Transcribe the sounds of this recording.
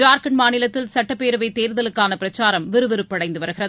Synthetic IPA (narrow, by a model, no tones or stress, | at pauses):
d͡ʒaːɾkɐnmaːnɪlɐt̪ːɪlsɐʈːɐpːeːɾɯʋɐɪt̪ːeːɾðɐlɯkːaːnɐpɪɾɐt͡ʃːaːɾɐmʋɪɾɯʋɛɾɯpːɐɽɐɪnd̪ɯʋɐɾɯɣɪrɐð